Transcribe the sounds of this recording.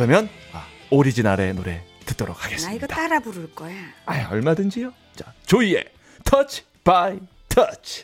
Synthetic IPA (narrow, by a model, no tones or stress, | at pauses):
kɯɾʌmjʌnaoɾid͡ʑinaɾe̞noɾe̞tɯ̥t̚t͈oɾokʰaɡe̞s͈ɯiɲɡʌdat͈aɾabuɾɯɭk͈ʌjaaʌɭmadɯnd͡ʑijo | t͡ɕat͡ɕoie̞̰ | tʰʌt͡ɕʰ | pai | tʰʌt͡ɕʰ